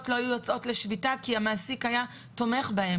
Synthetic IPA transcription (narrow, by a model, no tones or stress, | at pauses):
tlo̞ajujo̞t͡sʔo̞tle̞ʃvitakiamaːsikhaja | to̞me̞χbahe̞